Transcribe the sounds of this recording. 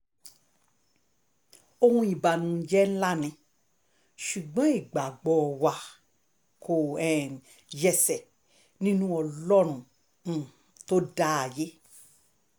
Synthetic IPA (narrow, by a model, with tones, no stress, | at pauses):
o˧hũ˧i˨ba˨nũ˨˦d͡ʒɛ˦n̩˦la˦˨nĩ˧ | ʃu˨ɡ͡bɔ̃˨˦i˦˨ɡ͡ba˨ɡ͡bɔ˨wa˨ | kʰo˨ɛ˨ | jɛ˧sɛ˨ | nĩ˦nũ˦ɔ˧lɔ˦ɾ̃ũ˦˨˦ | to˦da˦a˨je˦